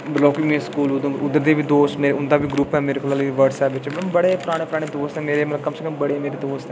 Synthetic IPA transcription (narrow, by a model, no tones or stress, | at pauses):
blɔːkɪmĩskuːlʊd̪ʊd̪əɾd̪eːbiːd̪oːst̪meːɾeʊnd̪aːbʱiːɡɾuːpɛːmeːɾekolaliʋəɾɖsɛːpʋɪt͡ʃɛmɐmbəɽeːpʊɾaːɽ̃eːpʊɾaːɽ̃eːd̪oːst̪ɛːmeːɾeːmt̪əbkəmsəkəmbəɽeːmeːɾeːd̪oːst̪ɛ